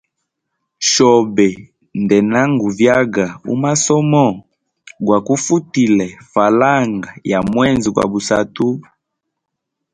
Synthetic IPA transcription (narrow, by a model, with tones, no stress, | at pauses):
ʃɔ˨bɛ˨ | ndɛ˨na˦ŋɡu˨vja˦ɡa˨ṵ˦ma˦sɔ˦mɔ˦˨ | ɡwa˨ku˦fu˦ti˨lɛ˨fa˨la˦ŋɡa˨ja˨mwɛ˦nzi˨kwa̰˨bu˨sa˨tu˦